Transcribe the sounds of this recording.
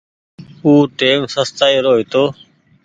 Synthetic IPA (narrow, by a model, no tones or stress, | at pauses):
uːʈeːmsəst̪aːiːɾoːɦit̪oː